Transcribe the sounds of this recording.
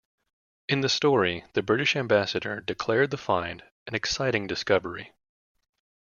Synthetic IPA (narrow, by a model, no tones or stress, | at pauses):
ɨ̃nðɨstɔɹiðɨbɹɪɾɨʃæ̃mbæsɨɾə̰˞dɨkʰl̥ɛɹd̪̚ðəfãɪ̃nd | ɨ̃nɨksaɪɾɪ̃ŋdɨskʌvə˞i